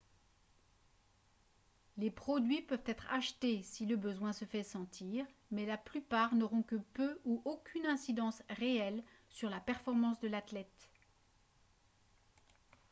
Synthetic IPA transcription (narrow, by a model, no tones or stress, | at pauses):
lepχɔd̪ɥipœvt̪ɛt̪χa̰ʃt̪esiləbəzwɛ̃səfɛsɑ̃t̪ʰiːʁmɛlaplypaʁnɔʁɔ̃kəpøuʔokʲʰynɛ̃sid̪ɑ̃sʁeɛl | syʁlapɛʁfɔʁmɑ̃sd̪əlat̪lɛt̪